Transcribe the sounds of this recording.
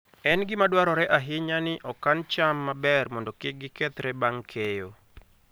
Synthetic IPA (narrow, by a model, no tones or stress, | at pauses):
ɛnɡɪmadwaɾɔɾɛʔaɦɪɲanɪʔɔkant͡ʃamːabɛrmɔndɔkɪɡɪkɛt̪ɾɛbaŋkʰejo